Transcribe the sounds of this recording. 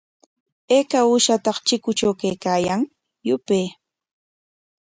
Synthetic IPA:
eːkaʊʃat̪ɑχt͡ʃɪkʊt͡ʃawkejkaːjaŋ | jʊpeː

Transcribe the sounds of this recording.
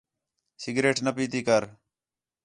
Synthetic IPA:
sɪɡɾeːʈnəpiːt̪iːkəɾ

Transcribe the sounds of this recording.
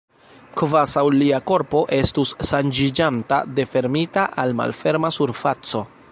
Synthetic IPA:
kvasawliako̞ɾpo̞ʔe̞stusːand͡ʒid͡ʒanta̰de̞fe̞ɾmitaʔalma̰lfe̞ɾmasuɾfat͡so̞

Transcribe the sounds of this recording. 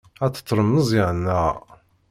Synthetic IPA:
æt͡sːə̥t̪ˤːɾˤəmːəzˤiʕənːæ

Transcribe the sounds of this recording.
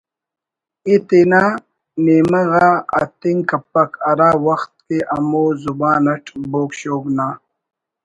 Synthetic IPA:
it̪enaː | neːmɐɣaːɐ̰t̪iŋkɐpːɐkʰɐɾaːwɐxt̪̚keʔɐmoːzubaːnɐʈʰboːkɕoːɡnaː

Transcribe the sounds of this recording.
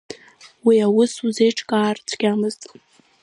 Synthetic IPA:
wiawʊsuzejʈ͡ʂʰʼkʼaːrt͡sʷʰɡʲamɨztʼ

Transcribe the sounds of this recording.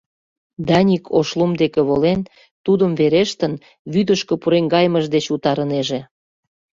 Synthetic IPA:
d̪ɑnʲikʰoʃlumd̪ekĕβolen | t̪ud̪əmveɾeʃt̪ən | βyd̪əʃkə̆puɾeŋɡɑjməʒd̪et͡ɕut̪ɑɾəneʒĕ

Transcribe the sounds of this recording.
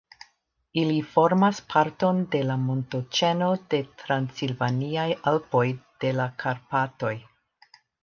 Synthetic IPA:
ilifo̞ɾmaspʰaɾto̞nde̞lamo̞nto̞t͡ʃe̞no̞de̞tɾansilvaniajalpo̞jd̥e̞lakʰaɾpato̞j

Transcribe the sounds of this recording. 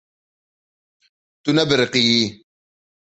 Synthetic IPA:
tunabəɾqiji

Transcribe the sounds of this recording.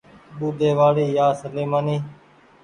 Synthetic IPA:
ɓuːd̪ʱeːʋaːɽiːjaːsəleːmaːniː

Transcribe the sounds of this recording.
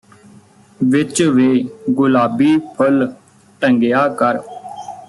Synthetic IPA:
ʋɪt͡ʃʋeːɡʊlaːbiːpʰəl | ʈəŋɡɪjaːkəɾ

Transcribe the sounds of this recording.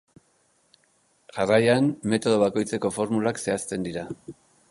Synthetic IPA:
ʝarajanːe̞t̪o̞ð̞o̞β̞ako̞jt͡se̞ko̞fo̞ɾmulakse̞ast̪e̞nd̪iɾa

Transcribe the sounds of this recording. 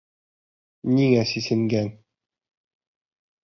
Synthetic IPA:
nʲiŋæsisɘ̆ŋɡæn

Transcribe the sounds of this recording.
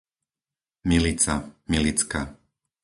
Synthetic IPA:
milit͡samilit͡ska

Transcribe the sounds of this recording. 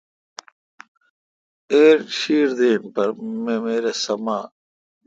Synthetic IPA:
eːɾɕiːɾd̪eːnpɐɾmemeːɾesɐmaː

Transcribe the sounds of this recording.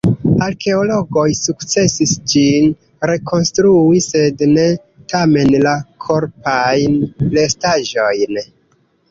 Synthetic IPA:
aɾke̞olo̞ɡo̞jsukt͡se̞sisd͡ʒin | ɾe̞kʰo̞nstɾuise̞dne̞ | tame̞nlakʰo̞ɾpajnle̞staʒo̞jn

